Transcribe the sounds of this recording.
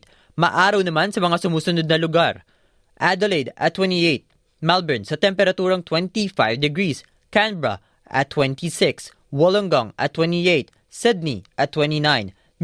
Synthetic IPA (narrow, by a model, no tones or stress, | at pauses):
mɐʔaːɾɐwnɐmansɐmɐŋasʊmuːsʊnod̪̚nɐlʊɡaɾ | ʔad̪ɛlejd̪ɐ̰t̪ːwɛ̃nt̪iʔejt̪̚ | malbɛɹnsɐt̪ɛmpɛɾɐt̪uːɾɐŋt̪wɛnt̪ifajvd̪ɛɡɹis | kanbɹɐ̰ | ʔɐ̰t̪ːwɛnt̪ʰisɪks | woloŋɡoŋɐ̰t̪ːwɛnt̪iʔejt̪̚ | sɪd̪̚niʔɐt̪ːwɛnt̪inajn